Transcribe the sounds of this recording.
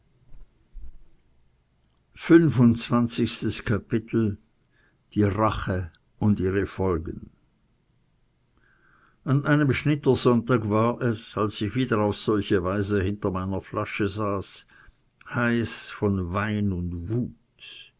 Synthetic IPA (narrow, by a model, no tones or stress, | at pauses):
fʏnvʊnt͡sv̥ant͡sɪçstəskʰapɪtʰl̩ | d̥iːʁaχə | ʊntʔiːʁəfɔlɡən̩ | ʔanʔaɪnəmʃnɪtəzɔntaːkvaːɐʔɛsalsɪçv̥iːdɐaʊfz̥ɔlçəvaɪzəhɪntɐmaɪnɐflaʃəzaːs | haɪsfɔnvaɪnʊntvuːt